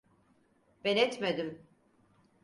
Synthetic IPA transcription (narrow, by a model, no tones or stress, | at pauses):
b̥ɛnɛt̪med̪im